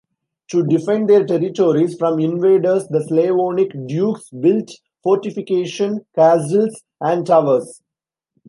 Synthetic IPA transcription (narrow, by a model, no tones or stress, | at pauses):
ʈuɖɪfɛ̃ɳɖd̪eːɾʈɛɾɪʈoːɾisfɾɔ̃mɪ̃nʋeːɖəɾsd̪əsleːʋõːnɪkɖjuːksbɪlʈ | fɔːɾʈɪfɪkeːʃə̃nkæːzəls | æ̃ɳɖ̚ʈaʋəɾs